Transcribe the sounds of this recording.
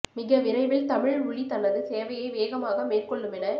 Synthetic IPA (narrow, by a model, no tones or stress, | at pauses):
mɪɣɐʋɪɾɐɪʋɪlt̪ɐmɪɻʋʊɭit̪ɐnɐðɯseːʋɐjɐɪʋeːɣɐmaːɣɐmeːrkɔɭːɯmɛnɐ